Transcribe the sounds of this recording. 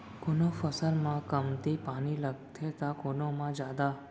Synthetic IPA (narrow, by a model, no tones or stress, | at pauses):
kʊnofəsəɾmãkəmt̪ipaniləɡt̪ʰet̪akonomãd͡ʒad̪a